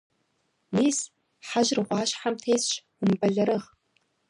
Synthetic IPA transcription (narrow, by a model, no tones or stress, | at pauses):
niːs | ħaʑrʁʷɑːɕħamtʰeːjsɕ | ʊmbɐɮɐɾɨʁ